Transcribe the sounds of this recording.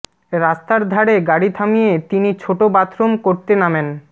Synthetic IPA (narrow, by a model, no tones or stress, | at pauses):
ɾast̪aɾd̪ʱaɽeɡaɽit̪ʰamiet̪init͡ɕʰoʈobat̪ɾomkoɾt̪enamen